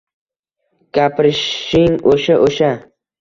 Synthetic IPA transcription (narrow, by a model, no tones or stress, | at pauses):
kʲapʰɾɪʃɪŋoʃaʔoʃa